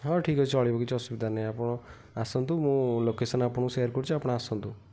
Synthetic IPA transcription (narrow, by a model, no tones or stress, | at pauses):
ɦɔʈʰikɔt͡ʃʰuɔɭibɔkit͡ʃʰɔsubid̪ʱanajapɔɽ̃ɔ | asɔnt̪umũlokesɔnapɔɽ̃usejaɾkɔɾut͡ʃʰuapɔɽ̃aːsɔnt̪u